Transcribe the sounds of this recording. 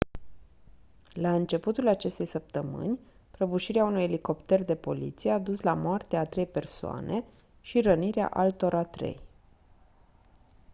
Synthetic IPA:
laɨnt͡ʃe̞put̪ulat͡ʃe̞st̪e̞jsəp̚t̪əmɨ̰nʲ | pɾəbuʃiɾeaunujeliko̞pt̪e̞rd̪e̞po̞̰lḭt̪sijead̪uslamoart̪eat̪ɾe̞jpe̞rsoa̰nʔe̞ | ʃiɾəniɾea̰ʔalt̪o̞ɾat̪ɾe̞̰j

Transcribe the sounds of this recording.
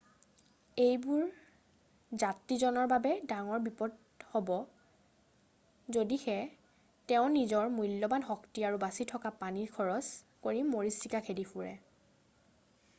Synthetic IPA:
ejbuɹ | zatːizɔnɔɹbabɛdaŋɔɹbipɔd | hobɔ | zodixɛ | tɛʊ̃nizɔɹmujlːɔbanɦɔktiaɹubasitʰɔkapaniɹkʰɔɹɔs | koɹimːoɹisikakʰedifʰuɹɛ̰

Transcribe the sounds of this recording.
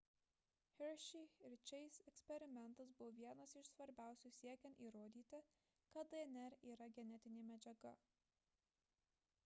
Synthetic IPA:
xʲɛɾʃʲiɾʲt͡ʃʲɛɪsɛksʲpʲɛɾʲɪmʲɛnˑt̪ɐsbʊʋoʋʲiɛnɐsɪʃsʋɐɾʲbʲæˑʊsʲuːsʲiɛkʲɛnt̪iːɾoːd̪ʲiːt̪ʲɪ | kɐt̪d̪ɐnʲɛɾiːɾɐɡʲɛnʲɛt̪ʲɪnʲeːmʲɛd͡ʒʲɛɡɐ

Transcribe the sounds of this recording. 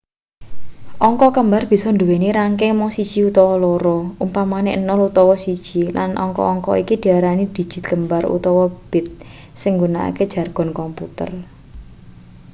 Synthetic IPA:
ʔɔŋkɔkəmbarb̥i̤sɔnd̪uweniɾaŋkemɔŋsid̥ʒ̥iut̪ɔwɔlɔɾɔumpamaneʔnɔlut̪ɔwɔsid̥ʒ̥ilanʔɔ̰ŋkɔ̰ɔŋkɔ̰ikid̪̥i̤aɾanid̪̥i̤̥ʒ̥ɪ̤̥t̪̚kəmbarṵt̪ɔwɔb̥ɪ̤t̪̚ | sɪŋɡunaʔa̰ke̥ʒ̥a̤rɡ̥ɔ̤nkɔmput̪ə̰r

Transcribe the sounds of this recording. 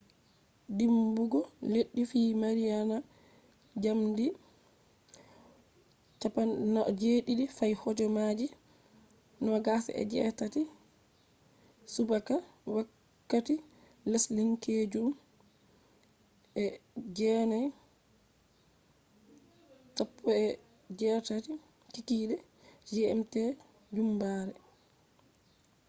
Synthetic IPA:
dimbuɡɔleɗːifiːmaɾijana | d͡ʒamdi | t͡ʃapanad͡ʒeːɗiɗifajhɔd͡ʒɔmad͡ʒi | nɔɡasɛ̰ʔɛ̰d͡ʒɛ̰tati | subakawakː | ati | lasliŋkʰed͡ʒuɗum | ʔɛd͡ʒɛnaj | tapʰːɔɛ | d͡ʒɛtati | kikiːdɛ | d͡ʒɛmtɛ | d͡ʒumbaːɾɛ

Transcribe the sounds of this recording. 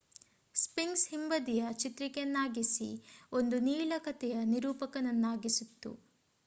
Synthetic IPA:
spiŋɡshimbɐd̪ijɐt͡ʃit̪ɾikenːaːɡisḭo̞nd̪uniːɭɐkɐt̪ɛjɐniɾuːpɐkɐnɐnːaːɡisut̪ːṵ

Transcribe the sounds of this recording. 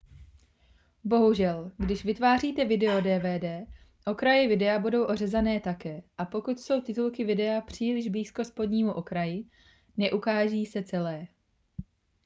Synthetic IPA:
bo̞ɦuʒɛlɡdɪʃvɪt̪vaːriːt̪ɛvɪdɛo̞dɛːvɛːdɛː | ʔo̞kɾajɛvɪdɛabudo̞wʔo̞rɛzanɛːt̪akɛːʔapo̞kut̪so̞wt̪ɪt̪ulkɪvɪdɛapr̝̥iːlɪʒbliːsko̞spo̞dɲiːmuʔo̞kɾajɪ | nɛʔukaːʒiːsɛt͡sɛlɛː

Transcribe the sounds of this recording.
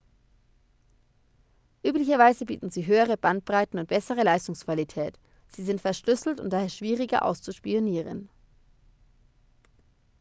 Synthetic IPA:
ʔyːplɪçɐvaɪzəbḭːtn̩ziːɦøːəʁ̞əb̥ant̚b̥ʁaɪtn̩ʊnt̚b̥ɛsəʁ̞əlaɪstʊŋskv̥alitʰɛːt | z̥iːzɪntfɛɐʃlʏsl̩tʊ̰nt̚d̥aːheːɐʃv̥iːʁɪɡɐ̰ʔa̰ʊst͡suʃpioniːʁə̰n

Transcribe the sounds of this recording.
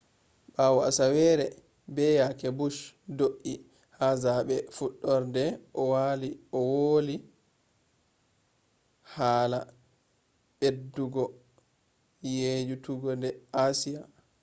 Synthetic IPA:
ɓawɔa̰sawɛɾɛ | bɛjakɛbuʃdoʔi | hazaɓɛfuɗːɔɾdɛʔɔwaliɔwoːli | haːla | ɓedːuɡɔ | jed͡ʒutuɡɔdɛasija

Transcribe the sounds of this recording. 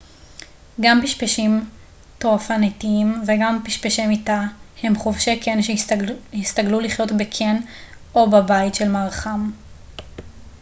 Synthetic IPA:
ɡampiʃpeʃim | toʁafanetiimveɡampiʃpeʃemitahe̞mχovʃekenʃhist̪aɡluliχjo̞tbekʰen | o̞babajtʃelmaʁχam

